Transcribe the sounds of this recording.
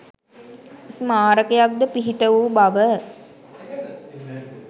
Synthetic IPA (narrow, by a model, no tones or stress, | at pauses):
smaːɾəkejak̚d̪əpiɦiʈəʋuːbaʋə